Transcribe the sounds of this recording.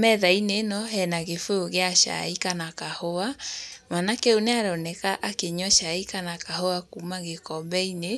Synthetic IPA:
mɛðainenɔɦɛnaɣefooɣeaʃa̰ikanakahoamanakɛoneaɾɔnɛkaʔakeɲɔʃaikanakahoakumaɣekɔmbɛine

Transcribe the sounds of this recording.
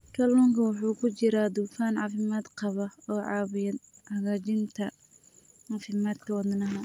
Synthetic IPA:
tʰɐlɔːŋkʰɐwʊħuːkʰʊt͡ʃɪɾaːd̪ufaːnʕɑːfɪmaːd̪qɑβɐɔːʕɑːβɪjɐd̪ | hɐɣaːt͡ʃɪnt̪ʰɐ | ʕɑːfɪmaːd̪kʰɔːd̪nɐɦɐ

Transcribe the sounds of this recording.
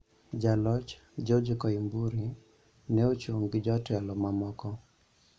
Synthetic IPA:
d͡ʒalɔt͡ʃ | d͡ʒɔd͡ʒikɔimbuɾi | nɛot͡ʃoŋɡd͡ʒɔtɛlɔmamɔkɔ

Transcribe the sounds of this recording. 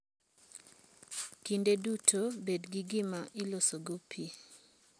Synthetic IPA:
kindedutʰobedɡiɡɪmaʔɪlosoɡopʰi

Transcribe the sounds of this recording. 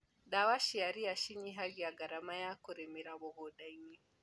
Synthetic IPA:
dawaʃijaɾijaʃiɲiɦaɡijaɡaɾamajakʊɾimiɾabɔɡɔdajwi

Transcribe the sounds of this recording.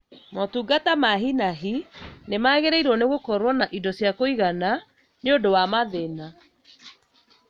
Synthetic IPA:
mɔtuɡatamaɦinaɦinemaɣeɾɛiɾwɔneɣokɔɾwɔnaʔidɔsjakoiɣana | neodowamaðena

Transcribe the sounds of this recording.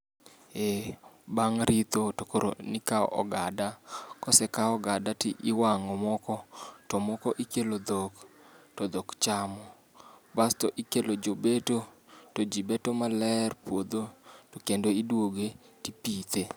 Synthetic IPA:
ebaŋɾʔit̪otokoɾo̰nikaɔ̰ʔɔ̰ɡadakɔsɛkaɔɡadatiʔɪwaŋɔmɔkɔtɔmɔkɔʔikelod̪oktɔd̪ɔkt͡ʃamɔ | bastɔʔikelod͡ʒobetotod͡ʒibɛtomalɛrpwod̪otokendoidwoɡetipit̪e

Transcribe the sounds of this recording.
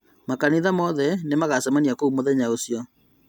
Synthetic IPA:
makaniðamɔðɛnemaɣasɛmaniakoumoðɛɲaosjɔ

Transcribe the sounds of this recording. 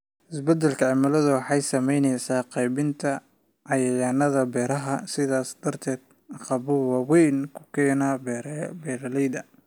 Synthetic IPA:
ʔɪsbɛd̪ɛlkʰɐʕɑmɐlɐðɐwɑħɑjsɐmɛjnɛjsaːqɑjβɪnt̪ʰɐ | ʕɑjɐjaːnɐðɐbɛːɾɐɦɐsɪðaːsd̪̥ɐrt̪ʰɛːd̪̥̚ | qɑβʊwɑːwɛjnkʰʊ̥kʰɛːnaːbbɛːɾɐlɛjd̪ɐ

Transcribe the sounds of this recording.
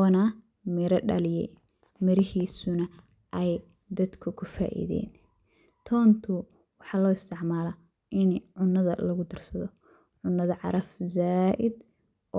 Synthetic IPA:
ɔːnɐ | mɪɾɐɖɐ̰lɪjɛ̰ | mɪɾɪhiːsʊnɐ | ʔɛj | d̪ɐd̪kʰʊkʰʊfa̰ːʔḭðɛ̰ːn | t̪ʰɔːnt̪ʰʊ | wɑħɑːlɔːɪst̪ʰɪʕmaːlɐ | ʔɪnʕʊnːɐðɐ̰lɐɣʊd̪ɐrsɐðɔ | ʕʊnːɐðɐʕɑ̰ɾɐfzaːʔɪd̪ | ʔɔː

